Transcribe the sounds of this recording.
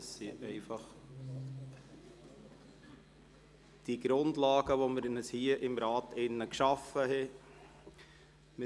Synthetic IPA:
əsːiʔɛɪfɑχ | d̥iɡ̥ɾʊndlɑːɡ̥əʋoməɾnəshiəʔɪmɾɑːtɪnːəkʃɑfəɦɛ | mɪ

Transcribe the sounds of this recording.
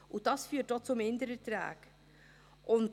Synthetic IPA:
ʔʊd̥ɑsfyːt̚d̥ɔt͡sʊmɪndəɾətɾɛ̰ːk | ʔʊnt

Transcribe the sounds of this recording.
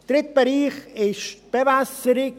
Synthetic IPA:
d̪̥ɾɪt̪̚bəɾiːχɪʃb̥ɛvasəɾɪ

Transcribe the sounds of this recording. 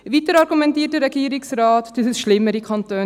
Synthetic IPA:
ʋitəɾɑɾɡumɛntiːtəɾɛɡiːəɾɪksɾɑːtd̥əsəsʃlɪmːəɾikʰɑntøː

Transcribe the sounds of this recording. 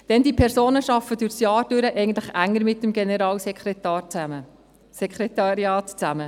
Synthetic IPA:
d̪̥ɛndipʰɛɾsoːnəʃɑfːədyɾsjɑːɾd̥ʏɾəʔɛɪɡən̩t̪ləχæŋːəɾmɪtːəmɡenɛɾɑːlsɛkʰɾɛt̪ɑːt͡sæmə | sɛkχɾɛt̪ɑɾjɑːtt͡sæmə

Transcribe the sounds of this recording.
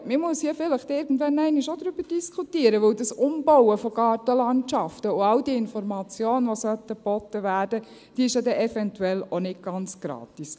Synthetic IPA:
mɪmuəshiəfɪləχtɪɾɡn̩dʋɛnæɪnɪʃodɾyb̥əd̥iskʰutiːəɾəʋɵwdɑsʊmbɔwəfɔɡ̥ɑːtəlɑntt͡ʃɑftəʊɑwdiɪnfɔɾmɑt͡sjoːnʋosœtəbɔt̪ːəʋæːɾd̥ə | d̥iːɪʃjɑd̪ɛʔɛfɛntuɛlonɪt̚ɡ̥ɑnt͡sɡ̥ɾɑ̰ːtis

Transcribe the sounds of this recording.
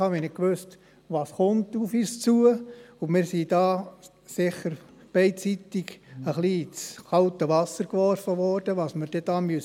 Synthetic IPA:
hɑːʋɛnɪkʋøst | ʋɑːsχʊntufyːst͡suəumɪɾsid̥ɑː | sɪχəɾ | b̥ɛɪtt͡sitiɡəχlit͡sχɑltəʋɑsəɾkʋɔrfəʋɔrd̥əʋɑːsməɾd̥ɛd̥ɑːmøs

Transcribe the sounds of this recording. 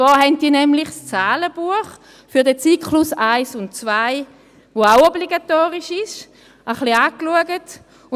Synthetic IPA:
t͡svɑːhɛnt̚d̥iːɐnɛmlɪχst͡saːləb̥uəχ | fyɐdɛt͡siːkχlʊsaɪsʊnt̚t͡svaɪ | voaʊɔbliɡatoːʁɪʃɪʃ | ʔəχliaːkluəɡət

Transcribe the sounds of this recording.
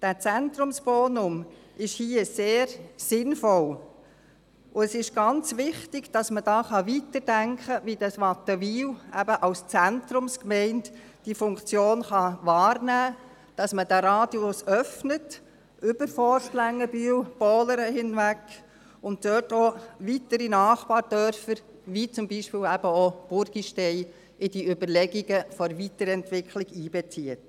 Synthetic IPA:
d̥æːt͡sæntɾʊmsb̥ɔːnʊmʔɪʃhiːəseːɾsɪnfɔl | ʔʊɛsɪʃɡ̥ɑnt͡sʋɪχtɪɡd̥ɑsməd̥ɑːχɑʋitəɾdæŋkχəʋidɑsʋɑtəʋiːwæbəʔɑlst͡sæntɾʊmskmɛɪnt | d̥ifʊŋkt͡sjoːnχɑʋɑːɾnæː | d̥ɑsməd̥æɾɑːdjʊsœfnət | ʏbəɾfɔɾʃtlæŋːəbywb̥ɔːləɾəɦɪnʋæk | ʊntːœːtɔʋitəɾinɑːχpɑːɾd̥œɾfəɾ | ʋit͡sʊmbiʃpɪːwæbəob̥ʊɾɡ̥iʃtɛɪ | ʔɪd̥iʏbəɾlɛɡiɡəfɔɾvitəɾɛntʋɪkχlɪɡ̥iːb̥ɛt͡siət

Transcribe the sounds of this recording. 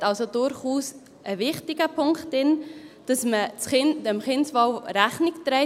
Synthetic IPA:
tɑlsodʊɾχuːs | ʔəvɪχtɪɡəpʰʊŋkχtɪnd̥ɑsmət͡sχɪndəmχɪnsvɑʊɾæχnɪktɾɛɪ

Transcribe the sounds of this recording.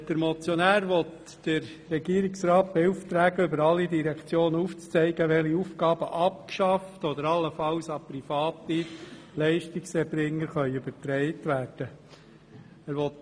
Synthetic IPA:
d̥əɾmɔt͡sjɔnæːɾʋɔt̪ | d̥ɪɾːɛɡiːɾɪksɾɑːt̚b̥euft̪ɾæːɡəʏbəɾɑlːidiɾɛkt͡sjoːnəuft͡st͡sɛɪɡəʋɛliufɡɑːb̥əʔɑp̚kʃɑftɔd̪əɾɑlːəfɑlsɑpɾifɑːtːilɛɪʃtɪksɛbɾɪŋːəɾχœʏʉb̥ətɾɛɪtʋæːrd̥ə | æːɾʋɔt̪

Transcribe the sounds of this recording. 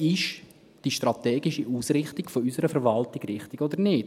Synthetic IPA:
ɪʃ | d̥iʃtrɑtɛːɡiʃiʔuːsrɪχtɪɡ̥foysəɾəfəɾʋɑltɪɡ̥rɪχtɪɡɔd̪əɾnɪːt

